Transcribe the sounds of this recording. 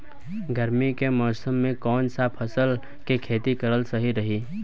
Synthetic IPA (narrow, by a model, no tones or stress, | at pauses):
ɡəɾmikemɔːsəmːẽkɔːnsapʰɐsəl | kekʰeːt̪ikəɾəlsɐɦiɾɐɦi